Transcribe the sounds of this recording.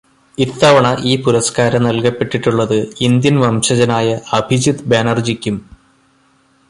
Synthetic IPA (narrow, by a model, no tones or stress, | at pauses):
it̪ːɐʋɐɳɐʔiːpuɾɐskaːɾɐmnɐlkɐpːe̞ʈːiʈːuɭːɐðɨind̪jɐnʋɐmɕɐd͡ʑɐnaːjɐɐbʱid͡ʑid̪beːnɐrd͡ʑikʲːum